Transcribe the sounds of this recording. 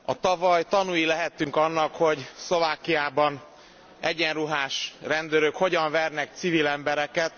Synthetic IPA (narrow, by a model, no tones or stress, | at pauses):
ɒ̰t̪ɒvɒjt̪ɒnujilɛɦɛt̪ːyŋkɒnːɒkho̞ɟslo̞vaːkːijaːbɒn | ɛɟɛnruɦaːʃrɛnd̪øɾøkho̞ɟɒɱvɛrnɛk̚t̪sivilɛmbɛɾɛkɛt̪